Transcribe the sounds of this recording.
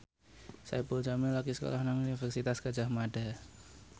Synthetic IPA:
sa̰jpult͡ʃamilaɡisə̥ko̰lahnaŋunifɛrsit̪askad͡ʒahmaɖa̤

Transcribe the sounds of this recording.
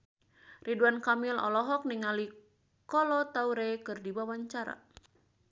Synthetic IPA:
riduankamilɔ̰lɔɦɔk̚niŋali | kɔlɔt̪auɾekɨrdiwawaɲt͡ʃaɾa̰

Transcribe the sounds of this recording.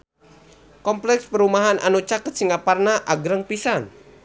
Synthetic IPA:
kɔmplɛkspəɾumaɦanʔa̰nut͡ʃakət̪̚siŋaparnaʔaɡɾəŋpisan

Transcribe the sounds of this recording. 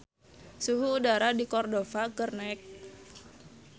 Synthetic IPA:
suɦuːdaɾadikɔrdofakərnɛk̚

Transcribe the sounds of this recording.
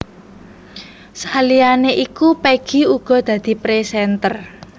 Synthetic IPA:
salianeʔikupeɡ̥i̤uɡ̥ɔ̤d̪̥ä̤d̪̥i̤pɾesɛnt̪ər

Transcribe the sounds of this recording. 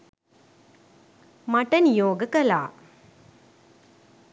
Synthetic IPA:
mɐʈɐnjoːɡɐkɐla̰ː

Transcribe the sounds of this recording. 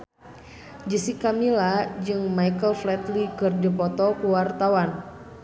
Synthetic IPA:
d͡ʒisikamilad͡ʒɨŋmaikəlflɛt̪likɨrdipɔt̪ɔkuwart̪awan

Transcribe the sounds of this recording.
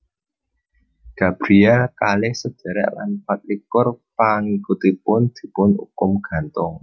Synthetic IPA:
ɡ̥a̤b̥ɾiakalɪhsəd̪̥a̤ɾɛ̰ʔla̰npat̪̚likʊrpaŋikut̪ipʊnd̪̥i̤pʊnṵkʊmɡ̥ä̤nt̪ʊŋ

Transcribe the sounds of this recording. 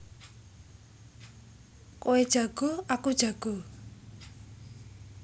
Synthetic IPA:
koed̥ʒ̥ä̤ɡ̥o̤akud̥ʒ̥aɡ̥o̤

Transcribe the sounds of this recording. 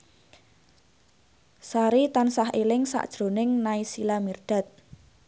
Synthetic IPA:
saɾit̪ansaɦelɪŋsa̰ʔd̥ʒ̥ɾo̤nɪŋnaisilamirɖ̥a̤t̪̚

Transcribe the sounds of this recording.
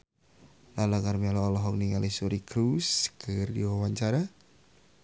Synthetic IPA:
lalaɡarmɛlɔalɔɦɔkniŋalisuɾikɾuskʰɨrdḭwawaɲt͡ʃaɾa

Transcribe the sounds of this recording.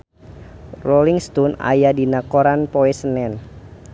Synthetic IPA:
roliŋst̪ɔna̰jadinakoɾanpoɛsənɛn

